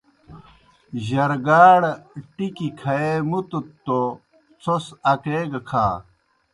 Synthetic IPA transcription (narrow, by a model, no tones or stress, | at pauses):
ʑɐɾɡaːɽʈikikʰɐemut̪ut̪ːo | t͡sʰosɐkeːɡɐkʰa̰ː